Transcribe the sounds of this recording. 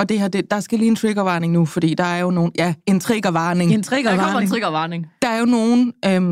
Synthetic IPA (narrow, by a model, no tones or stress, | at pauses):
ɒ̽d̥e̝ɦɑ̈d̥e̝d̥ɑ̈sɡ̥æliːent͡sʰʁiɡ̥ɐʋɑ̈ːne̝ŋnufɒ̽d̥ḭːd̥ɑ̈æɐjo̝no̝ːn̩jæe̝nt͡sʰʁiɡ̥ɐʋɑ̈ːne̝ŋnt͡sʰʁiɡ̥nt͡sʰʁiɡ̥ɐʋɑ̈ːneŋd̥ɑ̈æɐjo̝no̝ːn̩ø